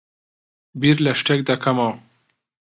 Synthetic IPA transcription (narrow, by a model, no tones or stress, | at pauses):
biɾlaʂʈek̚d̪akʰamaw